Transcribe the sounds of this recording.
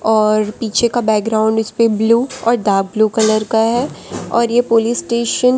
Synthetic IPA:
ɔːɾpiːt͡ʃʰekabɛːk̚ɡɾaːʊ̃ɳɖʊspebluːɔːɾɖaːɾk̚bluːkɐləɾkaɦɛːɔːɾjepoːlisːʈeːʃən

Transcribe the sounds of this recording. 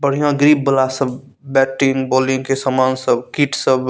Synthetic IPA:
bəɽ̤ijãɡɾib̚bəlasəb | bɛʈiŋɡbolĩŋɡkesəmansəbkiʈsəb

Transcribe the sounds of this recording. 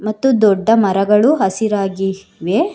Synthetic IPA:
mɐt̪ːud̪ɔɖːɐmɐɾɐɡɐɭuɦɐsiɾaːɡi | ʋe

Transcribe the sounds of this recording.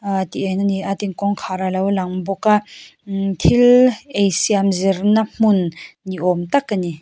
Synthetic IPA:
at̪iʔenaniʔat̪iŋkɔŋkʰaɾalawlaŋbɔka | t̪ʰilejsiamziɾnam̥unːiʔɔmt̪akːani

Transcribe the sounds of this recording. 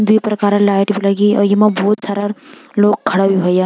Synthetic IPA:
d̪ipɾɐkaːɾalaːɪʈbʱilɐɡiɔ̰jimabɔːt̪saːɾaloːɡ̚kʰːɐɽabʱiɦoːja

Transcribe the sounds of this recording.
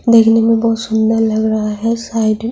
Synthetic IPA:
d̪eːkʰnemẽbɔɦʊt̪sʊnd̪əɾlɐɡɾɐɦaɦɛsaɪɖ

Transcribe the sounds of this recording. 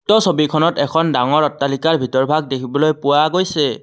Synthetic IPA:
tɔsobikʰɔnɔtɛkʰɔndaŋɔɹɔtːalikaɹbʱitɔɹbʱaɡ̚dekʰibɔlojpʊwaɡojsɛ

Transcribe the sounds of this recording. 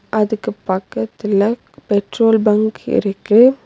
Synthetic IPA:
ʔɐðɯkːɯpːɐkːɐt̪ːɪlɐ | pɛʈroːlbɐŋkɪ̰ɾɯkːɯ

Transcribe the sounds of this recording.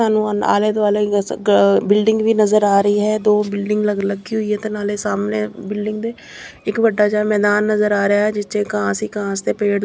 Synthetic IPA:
aːnũːa̰ːleːd̪oaːleː | bɪlɖɪŋɡʋiːnəzəɾaːɾəiːɦɛːd̪oːbɪlɖɪŋɡləɡləɡiːɦʊiːɦɛːt̪eːnaːleːsaːmneːbɪlɖɪŋɡd̪eː | ɪkʋəɖːaːt͡ʃaːmɛːd̪aːnːəzəɾaːɾəjaːɦɛːd͡ʒɪt͡ʃeːkãːsiːkãːst̪eːpeːɽ

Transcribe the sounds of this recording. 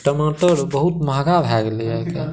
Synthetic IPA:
ʈəmoʈəɾbəɦut̪məɦɡabʱɛɡliəke

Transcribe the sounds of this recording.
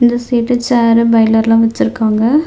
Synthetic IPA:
ɪnd̪ɐsiːʈːɯt͡ʃaːɾɯbɐɪlɐɾlãːʋɐt͡ʃːɪɾɯkːaːŋɡɐ

